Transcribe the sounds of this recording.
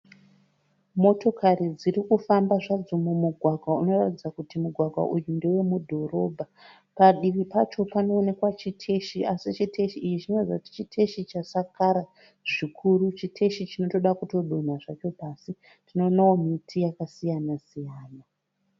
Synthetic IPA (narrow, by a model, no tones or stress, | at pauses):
mo̞to̞kaɾid͡ziɾikufambaʐad͡zomumuɡʱwaɡʱwauno̞ratid͡zakutimuɡʱwaɡʱwa̰ʔujundewe̞mudʱo̞ɾo̞bʱa | paɗiʋipat͡ʃo̞pano̞ːne̞kwat͡ʃitʰeʃiʔasit͡ʃitʰeʃiːjit͡ʃino̞rid͡zauti̥t͡ʃitʰeʃit͡ʃasakaɾa | ʐikʰuɾut͡ʃitʰeʃit͡ʃino̞to̞ɗakuto̞ɗon̤aʐat͡ʃo̞pasi | tino̞ːnawo̞mitʰijakasijanasijaːna